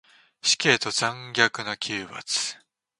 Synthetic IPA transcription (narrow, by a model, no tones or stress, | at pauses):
ɕi̥kʲe̞ːt̪o̞zãŋɡʲakɯ̟nokʲʰɨːβa̰t͡sɨ̥